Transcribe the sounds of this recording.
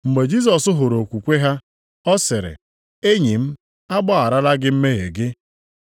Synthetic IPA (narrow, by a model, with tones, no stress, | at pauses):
ŋ͡m̩˨ɡ͡be˨d͡ʒi˦s̬ɔ˨sʊ˦ɦʊ˨ɾo˨kʷu˨kʷe˦ɦa˦ | ɔ˦sɪ˨ɾɪ̰˨ | e˦ɲi˨m̩˦ | a˦ɡ͡ba˦a˨ɾa˦la˦ɡɪ˦m̩˦me˦ɦe˨ɡɪ˦